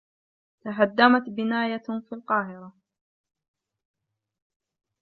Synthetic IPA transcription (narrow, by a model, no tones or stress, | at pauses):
t̪aɦad̪ːamat̪bɪnaːjafiːlqɑːɦɪɾa